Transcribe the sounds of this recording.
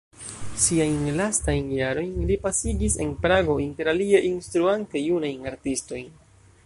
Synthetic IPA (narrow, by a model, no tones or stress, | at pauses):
siajnlastajnjaɾo̞jnlipasiɡise̞̰npɾaɡo̞inte̞ɾalieʔinstɾuante̞junajnaɾtisto̞jn